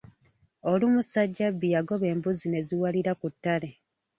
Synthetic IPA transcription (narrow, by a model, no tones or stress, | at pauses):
o̞lumusaɟːabːijaɡo̞βe̞ːmbuzine̞ziwaliɾakutːale̞